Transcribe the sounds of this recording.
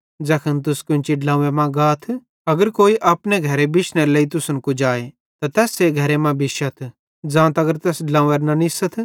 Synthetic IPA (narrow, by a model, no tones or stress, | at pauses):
d͡zɐkʰənt̪̬ʊskʊ̃nt͡ʃiɖlãːemãɡaːt̪ʰ | ɐɡəɾkoːiʔɐpneɡʱɐɾebɪʃneləit̪ʊsʊnkʊd͡ʒaːe | t̪at̪ɛːseɡʱɐɾemãbɪʃət̪ʰ | d͡zãːt̪ɐɡəɾt̪ɛːsɖlãːeɾnɐnɪsət̪ʰ